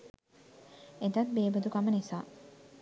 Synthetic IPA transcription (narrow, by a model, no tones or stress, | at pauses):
et̪ɐt̪̚beːbəd̪ukamənisaː